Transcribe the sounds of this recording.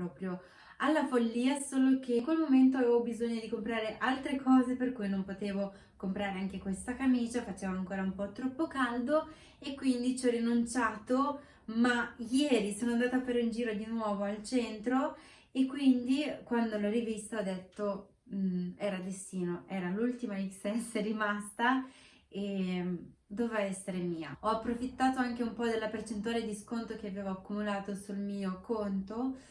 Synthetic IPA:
pɾɔːpɾjo | alːafolːiːasoːlok̟eŋkwelmoment̪̬oaveːvobizoɲːod̪ikompɾaːɾeʔalt̪ɾekʰɔːzeperkujnompot̪eːvo | kompɾaːɾeaŋkekwest̪akamiːt͡ʃafat͡ʃeːvoaŋkoːɾaumpɔt̪ːɾɔpːokald̪o | ekːwind̪it͡ʃɔrinunt͡ʃaːt̪o | majɛːɾisoːnoand̪aːt̪oafːaɾeind͡ʒiːɾod̪inwɔːvoalt͡ʃɛnt̪ɾo | ekːwind̪ikwand̪olɔrivist̪aɔd̪ːet̪ːo | ɛːɾad̪est̪iːnoʔɛːɾalult̪imaisɛseɾimast̪a | e | d̪ovaɛsːeɾemiːa̰ɔapːɾofit̪ːaːt̪oaŋk̟eumpɔd̪elːapert͡ʃent̪uaːled̪iskont̪ɾok̟eaveːvoakːumulaːt̪osulmiːokont̪o

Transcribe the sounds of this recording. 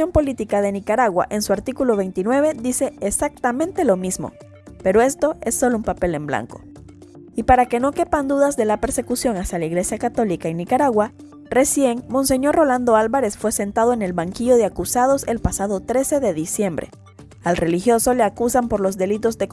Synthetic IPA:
jompo̞lit̪ikaðe̞nikaɾaɣwa̰ʔe̞nsuaɾt̪ikulo̞βe̞jnt̪inwe̞βe̞ðise̞ːsak̚t̪amẽnt̪e̞lo̞mizmo̰ | pe̞ɾo̞e̞st̪o̞e̞sːo̞loumpape̞le̞mbla̰ŋko̞̥̰ | ipaɾake̞no̞kepand̪uðazðe̞lape̞ɾse̞kusjo̞ŋasjalaiɣle̞sjakat̪o̞likaenːikaɾaɣwa | re̞sje̞ŋmõ̞nse̞ɲo̞ɾro̞land̪o̞alβaɾe̞sfwe̞se̞nt̪að̞o̞ene̞lβaŋkiʝo̞ðeakusað̞o̞se̞lpasaðo̞t̪ɾe̞se̞ðe̞ðisje̞mbɾe̞̰ | alre̞lixjo̞so̞le̞akusampo̞ɾlo̞zðe̞lit̪o̞zd̪e̞k

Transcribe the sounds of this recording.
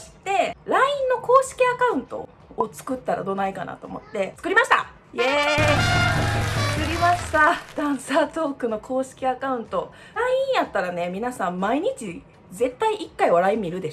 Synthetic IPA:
oɕi̥t̪e̞ɾaĩnːo̞ko̞ːɕi̥kʲiakaɯ̟̃nt̪o̞̰ː | t͡sɨ̥kɯ̟t̪ːaɾa̰d̪o̞naika̰na̰t̪o̞ːmo̞̰t̪ːe̞t͡sɨ̥kɯɾʲimaɕi̥t̪a̰ | je | ɨkɯɾʲimaɕi̥t̪ad̪̥ãɰ̃saːt̪o̞ːkɯ̟no̞kʰo̞ːɕi̥kʲiakaɯ̟̃nt̪o̞ | ɾaĩɰ̃jat̪ːaɾane̞mʲinasãmmaiɲ̟it͡ɕi | ze̞t̪ːaiʔikːaiβaɾaĩmiɾɯ̟d̪e̞

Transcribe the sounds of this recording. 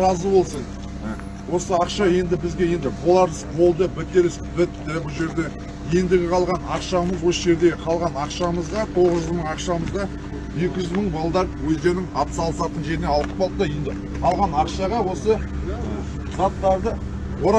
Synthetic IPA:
ɾɑzəbo̞lˠsəɴ | wʔo̞səɑqʃɑje̞nd̪ɪbɪzɡʲe̞je̞nd̪ɪbʰolˠɑɾəsbʰo̞lˠd̪əbɪt̪eɾɪsbɪt̪t̪ɪbʊlˠʒe̞ɾd̪e̞ | je̞nd̪ɪɡʲɪqʰɑlˠʁɑnɑqʃɑməzwo̞səʒe̞ɾd̪e̞qʰɑlˠʁɑnɑqʃɑməzʁɑt̪ʰo̞ʁəzʒʏzməɴɑqʃɑməzʁɑ | je̞kʲɪʒʏzməɴbɑlˠd̪ɑɾpwɵzd̪e̞ɾnɪŋɑpsɑlˠəsɑt̪ənʒe̞ɾɪne̞ɑlˠə̥p̚qʰɑlˠd̪d̪əjend̪ɪ | qʰɑlˠʁɑnɑqʃɑʁɑwo̞sə | z̥ɑt̪ːɑɾd̪ə | wo̞ɾ

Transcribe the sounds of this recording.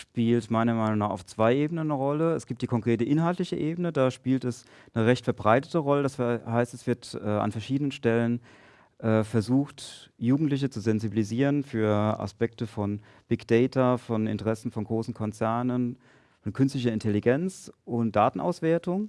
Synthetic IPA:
ʃpiːltmaɪnɐmaɪnʊŋnaːχa̰ʊft͡sv̥aɪʔeːbənənəʁɔləɛsɡ̥iːp̚td̥iːkʰɔŋkʁ̥eːtəʔɪnɦaltlɪçəʔeːbənədaːʃpiːltɛs | nəʁɛçtfɛɐbʁaɪtə̥təʁɔlədashaɪstɛsv̥ɪɐtʔɛːʔa̰nfɛɐʃiːdənənʃtɛlən | ʔɛːfɛɐzuːxtjuːɡŋ̩tlɪç̬ət͡suzɛnzibiliziːʁ̞ənfyːɐʔa̰spɛk̚təfɔn | b̥ɪɡd̥ɛɪtʰɐfɔnɪ̰ntəʁɛsn̩fɔnɡʁoːsn̩kʰɔnt͡sɛɐnən | fɔnkʰʏnstlɪç̬ɐɪntʰɛliɡɛnt͡sʔʊnt̚d̥aːtn̩ʔa̰ʊsv̥eːɐtʊŋ

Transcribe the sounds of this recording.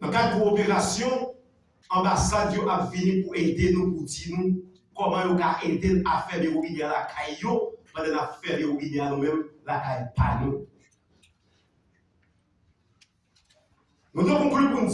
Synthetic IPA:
nɐ̃kad̪̚puopeʁasjɔ̃ | ɐ̃basadjoʔapvinĩpued̪enũpud͡zinũ | kɔmɐ̃jokaʔed̪enafɛleoinealakʰajːopãd̪ɛ̃napfɛleoideanũmɛ̃mlakajpa̰nũ | nũt̪õkũklipun

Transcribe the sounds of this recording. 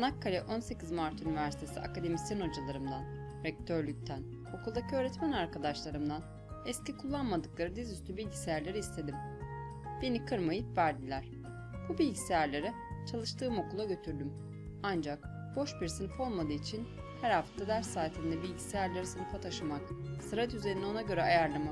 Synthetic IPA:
nakʰːalʲɛʔo̞nse̞cizmaɾt̪ʰynivæɾsi̥t̪ʰe̞sḭʔa̰kad̪e̞misjɛno̞d͡ʒalˠaɾɯmd̪an | ɾɛc̚t̪ʰøɾlʲyc̚ʲt̪ʰæn | o̞kulˠd̪acʰiøːɾɛt̪mænaɾkad̪aʃlˠaɾɯmd̪an | ɛscikʰulˠːanmad̪ɯklˠaɾɯd̪izyst̪ʰybilʲɟisejæɾlʲe̞ɾiːst̪ʰe̞d̪im | b̥e̞nikʰɯɾmajɯpvæɾd̪ilʲæɾ̥ | b̥ubilʲɟisejæɾlʲe̞ɾɛ | t͡ʃʰalˠɯʃt̪ʰɯːmo̞kulˠaɟø̞t̪ʰyɾd̪ym | and͡ʒak | b̥o̞ʃbiɾsɯnɯfo̞lˠmad̪ɯːit͡ʃʰin | hæɾhaft̪ʰad̪æɾsaːt̪ʰind̪ɛbilʲɟi̥sejæɾlʲeɾisɯnɯfat̪ʰaʃɯmaksɯɾat̪yze̞ɾino̞naɟø̞ɾɛajaɾlˠama

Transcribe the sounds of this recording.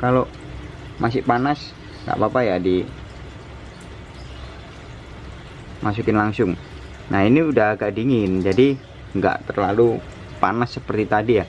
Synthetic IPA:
kalo | mʔasɪhpanas | ŋɡa̰ʔbapajadi | mʔas̬ukɪnlaŋsʊŋ | nʔahiniudaaɡaʔdiŋɪnd͡ʒadi | ŋɡa̰ʔt̪ərlalu | pa̰nasːəpərt̪it̪adija

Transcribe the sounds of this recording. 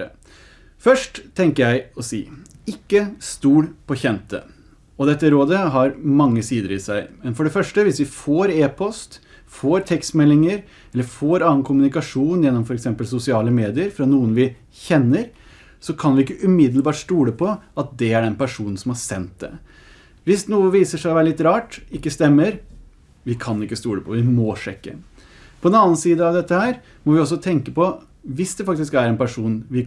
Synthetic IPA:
fœʂʈt̪ʰːɛŋkəɾjæɪɔsḭːɪkːəst̪uːɽpʰɔçɛnt̪ə̰ | ɔd̪ɛt̪ːəɾoːd̪əɦɑɾmɑŋːəsiːd̪əɾɪsæɪmɛnfɔɖɛfœʂʈəʋɪsʋɪfoːɾeːpʰɔst̪ | foːɾt̪ʰɛkst̪mɛlːɪŋəɾ | ɛlːəɾfoːɾɑːənkʰʊmʉnɪkɑʂuːnjɛnːɔmfɔɾɛksɛmpəlsʊsɪɑːləmeːd̪ɪəɾfɾɑnuːənʋɪ | çɛnːəɾ | sɔkʰɑnʋɪɪkːəʔʉmɪd̪l̩bɑːʈst̪uːɽəpʰɔɑt̪̚d̪ɛæɖɛnpæʂuːnn̩sɔmhɑɾsɛ̰nt̪̚d̪ɛ̰ | ʋɪsnuːəʋiːsəʂæɪɔʋæːɾəlɪt̪ɾɑːʈɪkːəst̪ɛmːəɾ | ʋɪkʰɑnɪkːəst̪uːɽəpʰɔʋɪmɔʂɛkːə̰ | pʰɔd̪ɛnɑnənsiːd̪əɑʋd̪ɛt̪ːəhæːɾ | mɔʋɪɔs̬ɔt̪ʰɛŋkəpɔ | ʋɪsd̪ɛfɑk̚t̪ɪskæɾɛnpæʂuːnʋɪ

